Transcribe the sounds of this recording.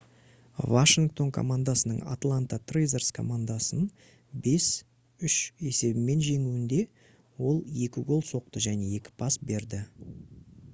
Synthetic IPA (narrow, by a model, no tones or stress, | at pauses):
vaʃɪŋk̚t̪o̞ŋkʰo̞̰mand̪asənəɴa̰t̪lˠant̪at̪rejzerskʰo̞̰mand̪asən | be̞s | ʏʃe̞se̞bɪme̞nʒe̞ŋuwɪnd̪e̞ | wo̞lˠje̞kʲɪɡo̞lˠso̞q̚t̪əʒæne̞e̞kʲɪ̥pʰasbe̞ɾd̪ɪ